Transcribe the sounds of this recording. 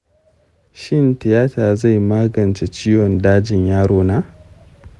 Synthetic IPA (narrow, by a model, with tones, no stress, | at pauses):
ʃɪ˦˨ntɪ˨jaː˦taː˨za˦˨jmaː˦ɡɐ˨nt͡ʃe˨t͡ʃiː˦wɔ˨ndaː˦d͡ʒɪ˨ɲjaː˦ɽoː˦naː˦